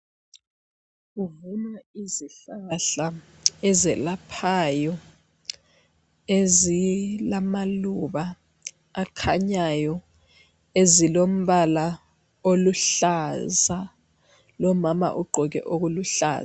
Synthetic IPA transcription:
uvunaiziɬaɬa | ɛzɛlapʰajɔ | ezilamaluɓaː | kʰaɲajɔ | ezilom̩ɓala | oluɬaza | lɔmama̰ʔuɡ͡ǃʱɔk̬ɛ̰ʔok̬uluɬa̰ːza

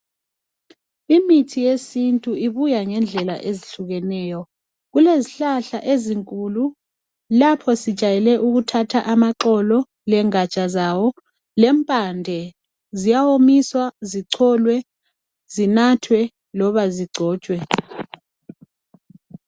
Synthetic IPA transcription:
imitʰijesintʼuiβujaŋɛnd͡ɮʱɛla̰ʔeziɬuɣɛnɛːjɔ | ɣuleziɬaɬaʔeziŋkʼulu | lapʰɔsid̥ʒ̥ʱajɛlɛʔuɣutʰatʰaʔamaǁɔlɔ | lɛŋat͡ʃʼazawɔ | lɛmpʼandʱɛ | zijawomiswaziǀʰɔlwɛ | zinatʰwɛ | lɔβaziɡ͡ǀʱɔːt͡ʃʼwɛ

